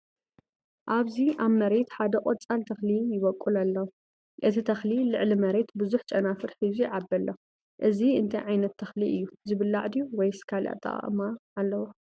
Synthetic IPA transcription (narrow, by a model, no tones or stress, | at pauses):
ʔaβziʔaβmɐɾe̞t̪ħad̪ɐqʼot͡sʼalt̪ʰɐxlijɪβɐkʼːulalːɐw | ʔɨt̪ʰit̪ʰɐxlilɨʕlimɐɾe̞t̪bɨzuħt͡ʃʼɐnafɨɾħɨziʕabːɐlːʔɐ | ʔɨziɨ̰nt̪ʰɐjʕajnɐt̪ʰːɐxliʔɨjːuzɨβɨlːaʕd̪iwɔjskʰalʔa̰t̪ʼːɐ̰χʼmaʕalːɐwu